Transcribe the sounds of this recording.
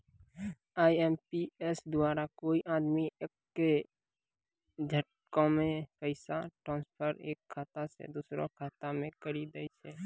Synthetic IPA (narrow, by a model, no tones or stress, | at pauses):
aːiɛːmpiesd̪ʊaːɾakoːiʔaːd̪mi | e | d͡ʒʱəʈ | kõmẽpəɪsaʈɾãːnspʰəɾeːkʰːaːt̪asḛd̪uːsɾõ̰kʰaːt̪amẽkəɾid̪eit͡ʃʰɛː